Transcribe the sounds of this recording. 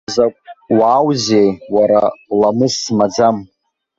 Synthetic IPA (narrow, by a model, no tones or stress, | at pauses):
zakʷʼwaːwzejwaɾalamɨsmad͡zam